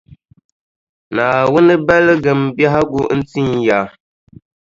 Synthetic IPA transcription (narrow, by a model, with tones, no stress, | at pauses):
naː˨wʊ˦nɨ˦bɛ˦lɨ˦ɡɨ˨mbja˦ɦa˦ɡu˦n̩˦ti˦nja˨˦